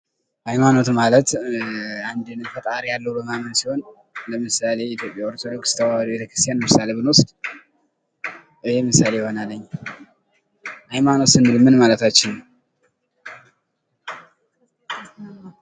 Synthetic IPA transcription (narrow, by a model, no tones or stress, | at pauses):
hajmano̞t̪malət̪ | and̪enɨnt̪ʰət̪ʼaɾjalːəwubəmamənsiho̞n | ləmɨsale̞it̪ʰjo̞pʼjaoɾt̪ʰod̪o̞kst̪ʰəwalbet̪ʰəkɾɨ̥st̪ʰijanləmɨsaleβɨnwʊst̪ʼ | ʔɨhejmɨsalejɪho̞nalːəɲː | hajmano̞t̪ɨnɨlmɨnmalət̪at͡ʃːɪnː